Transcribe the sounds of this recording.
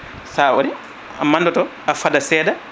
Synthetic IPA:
sawo̰ɾi | a̰mandɔtɔ | afadasɛːda

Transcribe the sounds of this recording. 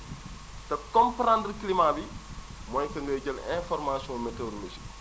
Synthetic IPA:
tɐkɔmpɾãndɾklimabi | mɔjkɐŋɡɐɟɐlɛ̃fɔɾmaːsiɔ̃ːmeteɾmesi̥

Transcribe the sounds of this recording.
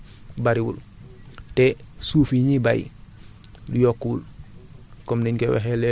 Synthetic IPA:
baɾiwṵl | tesuːfiɲibajḭ | lujokːuːl | komniɲkewḛɦele

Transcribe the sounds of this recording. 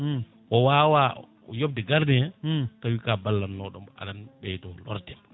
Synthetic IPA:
ʔɔwaːwa | jobdɛɡaɾdɛatawikabalːanːɔɗɔma̰ɗanɓɛjtɔlɔ̰ɾdɛ

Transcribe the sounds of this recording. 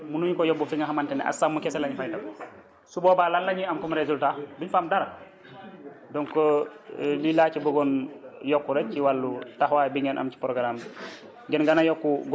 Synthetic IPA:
munuɲkɔjɔbːufiŋɡaɦamantɛnɛ̰ʔa̰samːukɛsɛlaɲifajdakɔ | subɔbaːlalːaɲiamkɔmɾezultabiɲfamdaɾa | dɔŋkɔ | lilaːt͡ʃibuɡɔnjɔkːuɾɛciwalːutahwajbiŋɡɛnʔa̰mt͡ʃi̥pɾɔɡɾamd | ɡɛnɡanajɔkːuɡ

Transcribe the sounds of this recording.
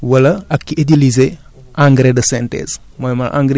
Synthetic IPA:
wɐlɐɐkːiedilize | ʔãŋɡɾedɐsɛntɛ̰s | mojmɐlʔã̰ŋɡɾe

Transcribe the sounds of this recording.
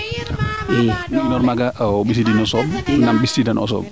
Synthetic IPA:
enɔɾmaɡaʔbis̬idinɔsɔbnambistidanʔɔ̰s̬ɔ̰b̚

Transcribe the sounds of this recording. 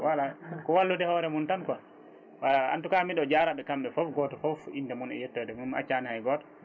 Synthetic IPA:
walakɔwalːudɛhɔɾɛmuntanka | walaa̰ntukamiɗɔd͡ʒaɾaɓɛkamɓɛfɔfɡɔːtɔfɔfindɛmunɛ̰jɛtːɔdɛmuma̰t͡ʃanihajɡɔtɔ̥

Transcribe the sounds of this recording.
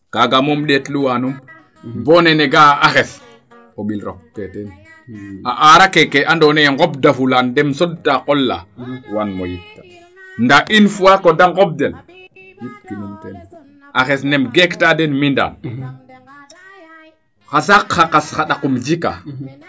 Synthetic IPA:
kaɡamomɗetluwanum | boːneneɡaʔaxes | koɓilɾo̰k̚teten | aʔaɾakekeʔandoːneŋɡobdafulandɛmsɔdtaqolːa̰wanmo̰jittːḁ | ndaʔinfuwakodaŋɡob̚den | jkinumten | ʔaxesnemɡektadenminda̰n | xasakxakasxaɗakumd͡ʒika̰

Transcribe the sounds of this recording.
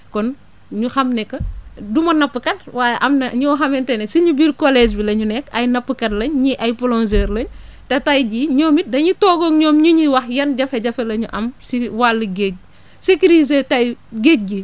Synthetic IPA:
kɔn | ɲuxɐmnɛkːɐdumɐnɐpːəkɐt̚waːjɐʔɐmnɐɲɔwxɐmɛntɛnɛsiɲubirkɔlɛːd͡ʒbilɐɲunɛkːɐjnɐpːəkɐtlɐɲɲiʔɐjpɔlɔnzeːɾlɐɲtɐtɐjd͡ʒiːɲɔːmit̚dɐɲutɔːɡɔːŋɲɔːmɲuɲiwɐxjɐnɟɐfɐɟɐfɛlɐɲuʔɐmsiwalːəɡeːc̚ | sekiɾizetɐjɡeːt̚ɡi

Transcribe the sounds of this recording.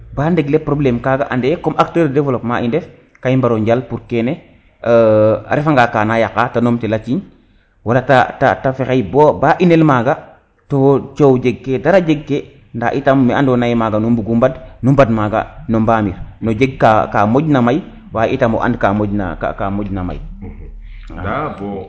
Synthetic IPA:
bandeɡlepɾoblɛmkaɡaʔandɛkomʔak̚təɾdevlopma̰ʔindɛf | kaimbaɾoɲɟalpuɾkene | a̰ɾefaŋɡakaːnajakatanomtelat͡ʃiɲ | walata̰ta̰tafexajbobaʔinelmaːɡa | tot͡ʃowɟeɡkedaɾaɟeɡke | ndaʔitamːiandɔnajmaːɡanumbuɡumbadnumbadmaːɡa̰nombaːmiɾnoɟeɡ̚kaka̰moɟnamaj | waːʔitamɔ̰ʔa̰ndkamoɟna̰ka̰kamoɟnama̰j | b

